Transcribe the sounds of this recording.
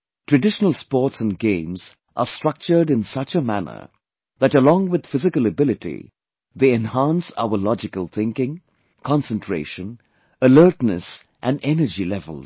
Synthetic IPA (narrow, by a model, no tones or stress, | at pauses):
ʈʰɹ̥ɨɖɪʃənəlˠspɔːʈsə̃nɡẽɪ̃mz | ʔə̰stɹ̥ʌk̚t͡ʃə˞ɖɨ̃nsʌt͡ʃəmænə̰˞ | ðæʈəlɔ̃ŋwɪd̪̥fɪzɪkələbɪlɪtḭ | ðeɛ̃nhæ̃nsa̰ʊəlɑd͡ʒɪkəlˠθɪ̃ŋkɪ̃ŋ | kʰɑ̃nsə̃ntʰɹ̥ḛɪʃə̃n | əlɜ˞tnəsʔæ̃nɛnə˞d͡ʒilɛvə̰lˠz